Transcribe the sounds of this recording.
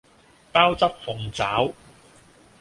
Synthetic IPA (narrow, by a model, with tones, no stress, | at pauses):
paː˥wt͡sɐ˥p̚fʊ˨˩ŋt͡saː˨˥w